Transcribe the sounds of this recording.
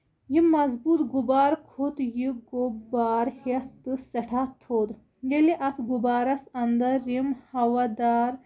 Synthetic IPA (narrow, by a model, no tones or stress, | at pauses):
jimɐzbuːt̪ɡubaːɾkʰut̪jiɡobaːɾhet̪ːɨsɐʈʰaːt̪ʰːoːd̪ | jeliʔɐt̪ʰɡubaːɾɐsɐnd̪ɐɾimhɐʋad̪aːɾ